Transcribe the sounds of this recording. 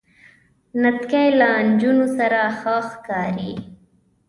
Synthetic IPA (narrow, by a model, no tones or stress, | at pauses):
nat̪kajland͡ʒunosaɾaxəxkɑɾi